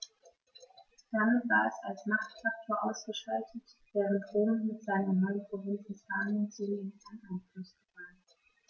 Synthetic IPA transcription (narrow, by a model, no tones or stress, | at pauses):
d̥amɪtv̥aːɐɛsalsmaχtfak̚tʰoːɐʔaʊsɡ̥əʃaltʰətv̥ɛːʁən̩tʁ̥oːmənmɪtz̥aɪnənɔʏənpʁovɪnsn̩faːnənt͡suneːnanaɪnflʊsɡ̥əfaːn